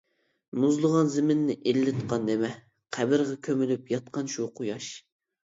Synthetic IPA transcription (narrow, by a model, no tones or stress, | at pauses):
muzlˠəʁɑnzɪmɪnːɪʔelːɪt̪qʰɑnd̪emɛ | qʰæbɪɾʁɛkʲʰømylypjɑt̪̚qɑnʃuqʰʊjɑʃ